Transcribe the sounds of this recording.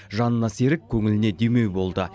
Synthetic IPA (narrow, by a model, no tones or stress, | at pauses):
ʒɑnənɑse̞ɾɪk̚kʲʰɵŋɪlɪne̞d̪ejme̞wbo̞lˠd̪ə